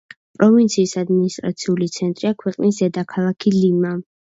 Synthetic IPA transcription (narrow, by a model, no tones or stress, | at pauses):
pʼɾɔvint̪sʰiːsad̪minist̪ʼɾa̰t̪sʰiulit̪sʰɛnt̪ʼɾiakʰwɛqʼnisd̪ɛd̪akʰalˠakʰilima